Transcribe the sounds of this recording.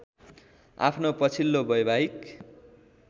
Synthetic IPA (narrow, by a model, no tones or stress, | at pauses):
a̰pʰnopʌt͡sʰilːobʌjbʱaɦik